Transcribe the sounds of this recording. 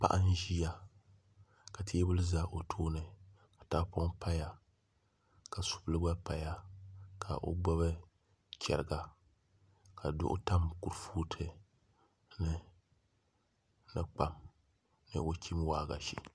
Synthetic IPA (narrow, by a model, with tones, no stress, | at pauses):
pa̰˦ʔa˦n˦ʒi˦ja˦ | ka˨tʰi˦bɨ˦lɨ˦za˦ʔo˨tʰoː˦nɨ˨ | kḁ˨ta˦po˦ŋpʰa˦ja˨ | ka˨su̥˨blɨ˦ba˦pa˨ja˦kʰa̰˨ʔo̰˦bɔ˦βɨ˦ | t͡ʃɛ̰˨ɾɨ˨ɡa˨ | ka˨dʊ̰˦ʔʊ̰˦ta˦mku˨ɾfuː˦tʰɨ˦ | nɨ˦ | nɨ˨k͡pa˨m | nɨ̰˦o˦kʰʲi˦mwaː˦˨ɡa̰˨ʃḭ˨